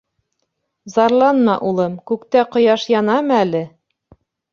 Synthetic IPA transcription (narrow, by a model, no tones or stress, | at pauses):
zɑɾlˠɑnmɑʔulˠɤmkʉkt̪æqŏjɑʃjɑnɑmɤælɘ